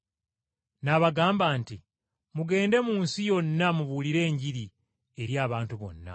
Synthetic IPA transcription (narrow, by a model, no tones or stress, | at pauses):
naβaɡaːmbaːnti | muɡe̞ːnde̞muːnsijo̞nːamuβuliɾe̞ːɲɟiɾi | e̞ɾjaːβaːntuβo̞̰nːa̰